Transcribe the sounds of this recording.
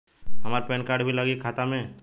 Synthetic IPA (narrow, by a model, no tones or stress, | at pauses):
ɦɐmaːɾpɛːnkaːɾɖbʱilaɡekʰaːt̪amẽ